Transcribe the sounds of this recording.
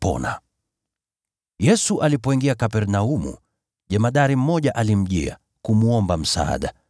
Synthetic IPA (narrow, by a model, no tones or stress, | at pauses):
pɔ̰na̰ | jɛsuʔalipɔiŋɡiakapɛɾnaumṵ | ʄɛmaɗaɾim̩mɔʄaʔalim̩ʄḭa̰ | kumuɔmbam̩sa̰a̰ɗa